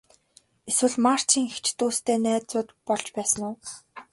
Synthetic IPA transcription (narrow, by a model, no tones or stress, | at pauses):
eswɘ̆ɮmar̥t͡ɕʰiːŋext͡ɕʰt̪uːst̪ʰeːnæːt͡sʊːt̪pɔɮt͡ɕpæːsə̆nʊː